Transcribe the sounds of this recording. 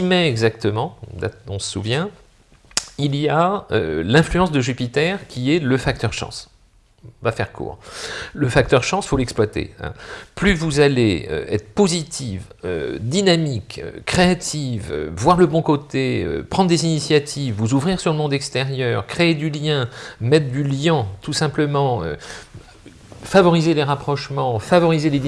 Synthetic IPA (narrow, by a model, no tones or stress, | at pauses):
imɛɛɡzak̚t̪əmɑ̃d̪a̰ɔ̃sə̥sṵvjɛ̃ | ilijaølɛ̃flyɑ̃sd̪əʒypit̪ɛʁkʲiɛləfak̚t̪œʁʃɑ̰̃s | vafɛʁkʰṵːʁləfak̚t̪œʁʃɑ̃sfolɛksplwat̪ḛɛ̰̃plyvuzaleø̰ɛ̰t̪χəpozit̪ʰivø̰d̪inamikø̰χeat̪ʰivø̰vwaʁləbɔ̃kot̪eø̰pχɑ̃d̪ʁd̪ezinisjat̪ʰivːuzuvʁiʁsyʁləmɔ̃d̪ɛkst̪ɛʁjœʁkχeːd̪yljɛ̃mɛt̪χd̪yljɛ̃t̪usɛ̃pləmɑ̃ø̰ | favɔʁizeleʁapχɔʃmɑ̃favɔʁizele